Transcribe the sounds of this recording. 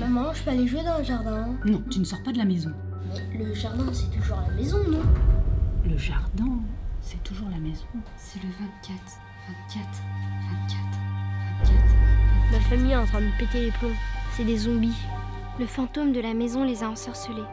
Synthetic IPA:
mamɑ̃ʒpøaleʒuwed̪ɑ̃ləʒaʁd̪ɛ̃nɔ̃t̪ynəsɔʁpad̪əlamezɔ̃ | mɛləʒaʁd̪ɛ̃sɛt̪uʒuʁlamezɔ̃nɔ̃ | ləʒaʁd̪ɛ̃sɛt̪ʰuʒuʁlamezɔ̃ | sɛləvɔd̪kʲat̪ | vɔd̪kʲat̪χvɔd̪kʲat̪χvɔkʲat̪mafamijɑ̃t̪χɛ̃d̪əpet̪eleplɔ̃sɛd̪ezɔ̃bi | ləfɑ̃t̪omd̪əlamezɔ̃lezaɑ̃sœʁsəle

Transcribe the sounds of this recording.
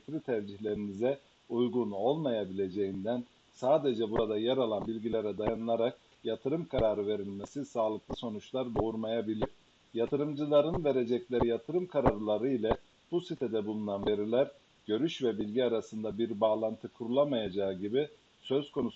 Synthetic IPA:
t̪ɾit̪ʰæɾd͡ʒiçlʲe̞ɾinizɛ | ujɡuno̞lˠmajabilʲe̞d͡ʒe̞jind̪æn | saːd̪e̞d͡ʒɛbuɾad̪ajɛɾalˠanbilʲɟilʲeɾɛd̪ajanɯlˠaɾak̚ | jat̪ʰɯɾɯmkʰaɾaːɾɯve̞ɾilʲmesisaːlˠɯklˠɯso̞nut͡ʃlˠaɾb̪o̞uɾmajabilʲiɾ̥ | jat̪ʰɯɾɯmd͡ʒɯlˠaɾɯnve̞ɾe̞d͡ʒɛclʲeɾijat̪ʰɯɾɯmkʰaɾaɾɯlˠaɾɯilʲɛ | b̥usit̪ʰed̪ɛbulˠunanve̞ɾilʲæɾ | ɟ̥ø̞ɾyʃvɛbilʲɟiaɾasɯnd̪abiɾbaːlˠant̪ʰɯkʰuɾulˠamajad͡ʒaːɯɟibi | sø̞zkʰo̞nus

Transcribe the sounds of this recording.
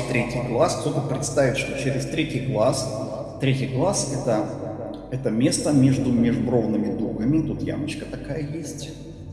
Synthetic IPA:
t̪ɾʲetʲɪjɡlˠaskt̪ot̪əpɾʲɪt̪st̪avʲɪt̪ʲʂt̪o̞t͡ɕeɾʲɪst̪ɾʲetʲɪjɡlˠas | t̪ɾʲetʲɪjɡlˠasɛt̪ə | ɛt̪əmʲe̞st̪əmʲe̞ʐd̪ʊmʲeʐbro̞vnɨmʲɪd̪ɾuɡəmʲɪt̪ut̪ja̰mət͡ɕkət̪akajəjesʲtʲ

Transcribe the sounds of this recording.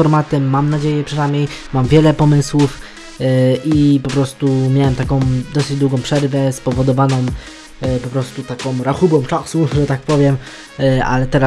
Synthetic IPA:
ɔɾmat̪ɛːamnad͡ʑejɛpʂɛnamʲjejmamvʲjɛlɛpɔmɘswuf | ʔipɔpɾɔst̪umʲjawɛmt̪akɔ̃w̃d̪ɔsɘd͡ʑd̪wuɡɔ̃w̃pʂɛɾvɛspɔvɔd̪ɔvanɔ̃w | pɔpɾɔst̪ut̪akɔ̃mɾaxubɔ̃mt͡ʂasuʐɛt̪ak̚pɔvʲjɛm | a̰lɛt̪ɛɾa

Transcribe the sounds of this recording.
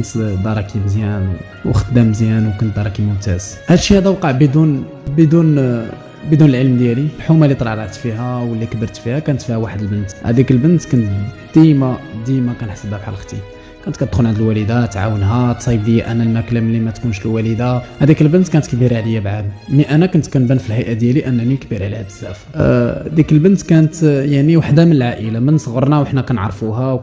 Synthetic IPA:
nt̪d̪ɑɾˤɑkʰimzjæn | wxəd̪ːæmzjænwkʊnt̪̚d̪ɑɾˤɑkimʊmt̪æz̥hælʃihæd̪æwqɑʕbəd̪un | bəd̪un | bəd̪unəlʕəlmd̪jæliħumælːit̪ˤɑlɑʕlʕt̪fiɦæwəlːikəbəɾt̪fihækænət̪fihæwaħəd̪əlbənt̪hæ̰d̪ikəlbənt̪kʊnt̪ | d̪̥imad̪ijmækænħsəbhækʕa̰lxt̪ˤḭ | kænt̪kænt̪xunʕand̪əlwæləd̪æt̪ːʕa̰wənɦæt̪sˤɑjəbd̪əjːæʔænːænæklæmlːimæt̪kunʃləwæləd̪aʕæd̪ikəlbənt̪kænət̪kbiɾʕləjːabʕad̪miʔænækʊnt̪kænbænfilhæjʔad̪jæliʔənːnikbiɾʕlihæb̪əzːæfd̪ikəlbənt̪kænət̪jaʕniwaħd̪amənəlʕaʔəlamənsˤɣəɾˤnæwəħnækænʕɑ̰ɾˤfuɦæw

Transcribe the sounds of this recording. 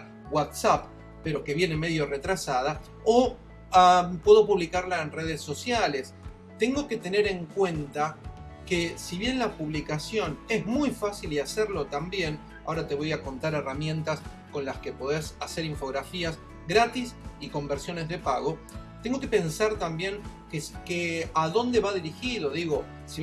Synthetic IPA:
wat̪sap | peɾo̞ke̞βje̞neme̞ðjo̞re̞t̪ɾasað̞a | o | apwe̞ðo̞puβlikaɾlaenreð̞esːo̞sjale̞s | t̪e̞ŋɡo̞ke̞t̪e̞ne̞ɾe̞ŋkwe̞nt̪a | kesiβje̞nlapuβlikasjo̞ne̞zmujfasiliaseɾlo̞t̪ambje̞n | ao̞ɾat̪e̞βo̞jako̞nt̪aɾe̞ramjẽ̞nt̪as | ko̞nlaske̞po̞ðesaseɾiɱfo̞ɣɾafias | ɣɾat̪isiko̞mbeɾsjo̞ne̞zð̞e̞paɣo̞t̪e̞ŋɡo̞ke̞pe̞nsaɾt̪ambje̞ŋkekeaðo̞nd̪e̞βaðiɾixiðo̞ðiɣo̞ | si

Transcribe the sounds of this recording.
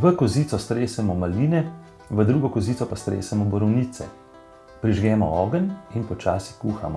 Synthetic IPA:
ʋəkɔziːt̪sɔst̪ɾeːsɛmɔmaliːnɛ | ʋəd̪ɾuːɡɔkɔziːt̪sɔpast̪ɾḛːsɛmɔbɔɾɔwniːt̪sɛ̰ | pɾiʒɡɛːmɔɔːɡəninpɔt͡ʃa̰ːsikuːxa̰mɔ

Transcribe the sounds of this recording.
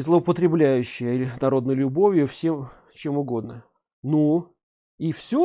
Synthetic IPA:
zlˠəəpət̪ɾʲɪblʲæjʉɕːɪjənɐɾo̞d̪nəjlʲʊbovʲjʊfsʲem | t͡ɕe̞mʊɡo̞d̪nə | nu | ifsʲo

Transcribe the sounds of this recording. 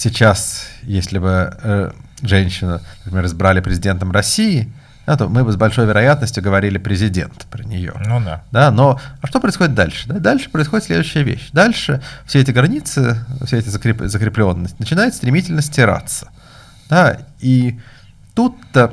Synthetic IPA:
sʲɪt͡ɕasjesʲlʲɪbɨəʐɛnʲɕːɪnənəpɾʲɪmʲeɾɨzbɾalʲɪpɾʲɪzʲɪdʲe̞nt̪əmrɐsʲiɪ | d̪̥at̪o̞mɨbɨzbɐlʲʂo̞jvʲɪɾɐjat̪nəsʲtʲjʊɡəvɐɾʲilʲɪpɾʲɪzʲɪdʲḛnt̪pɾənʲɪjo̰d̪anoʂt̪o̞pɾəɪsxodʲɪt̪̚d̪a̰lʲʂɨd̪ad̪alʲʂɨ̥pɾəɪsxo̞dɪt̪sʲlʲed̪ʊɕːɪjəvʲḛɕːd̪alʲʂɨfsʲeɛtʲɪɡɾɐnʲit̪sɨfsʲeɛtʲɪzəkɾʲɪpzəkɾʲɪplʲo̞nːəsʲtʲnət͡ɕɪnajʊt̪st̪ɾʲɪmʲitʲɪlʲnəsʲtʲɪɾa̰t̪sə̥ | d̪̥ai | t̪ut̪ːə

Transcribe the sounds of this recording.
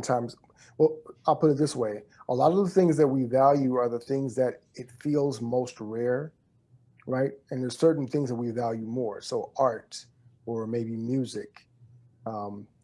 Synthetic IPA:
ntʰãɪ̃mz̥ | wɛlˠaɪlˠpʰʊɾɨt̪̚ðɪsweɪʔəlɑɾʌvðəθɪ̃ŋzðɨt̚wivælˠjʉə˞ðəθɪ̃ŋzðɨɾɪtfilˠzmoʊst̚ɹɛɹ | ɹaɪt̚ɨ̃nðə˞z̥sɜ˞ʔn̩θɪ̃ŋzðət̚wivælˠjʉmɔɹsoʊʔɑɹt | ə˞meɪbimjʉzɪk | ʌ̃m

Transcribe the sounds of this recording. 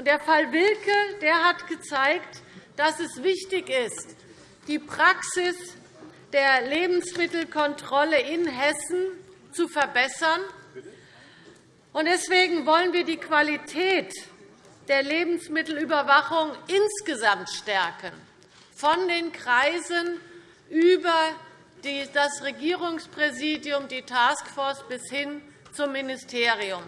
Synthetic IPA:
ʔʊnt̚d̥eːɐfalvɪlkʰəd̥eːɐɦatɡ̥ət͡saɪktd̥asɛsv̥ɪçtɪçɪst | d̥iːpʁ̥aksɪs | d̥eːɐleːbm̩smɪtl̩kʰɔntʁ̥ɔləʔɪnɦɛsn̩ | t͡sufɛɐbɛsɐn | ʔʊnt̚d̥ɛsv̥eːɡŋ̩vɔlənviːɐdiːkv̥alitʰɛːt | d̥eːɐleːbm̩smɪtl̩yːbɐvaχʊŋʔɪnsɡ̥əzamtʃtɛɐkən | fɔndeːnkʁ̥aɪzən | ʔyːbɐ | d̥iːdasʁeɡiːʁ̞ʊŋspʁ̥ɛziːdjʊmdiːtʰaːskfɔɐsb̥ɪshɪn | t͡sʊmːɪnɪstʰeːʁiʊm

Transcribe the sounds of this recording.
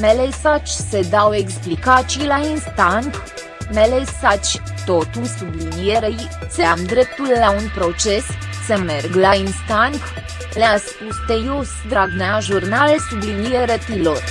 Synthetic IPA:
melesat͡ʃʲse̞d̪awe̞ksplikat͡ʃijlainst̪aŋk | melesat͡ʃʲ | t̪o̞t̪usublinijeɾej | seamd̪ɾe̞p̚t̪ulːaunpɾo̞t͡ʃe̞ssəme̞rɡlainst̪aŋk | leaspust̪ejosd̪ɾaɡneaʒurnalesublinijeɾet̪ilo̞r

